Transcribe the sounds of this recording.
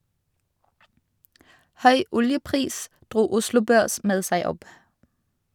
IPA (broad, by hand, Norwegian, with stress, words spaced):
ˈhœʏ ˈʊljəˌpʁiːs ˈdʁuː ˈʊslʊ ˈbøːʁs ˈmeːd ˈsæɪ ˈɔp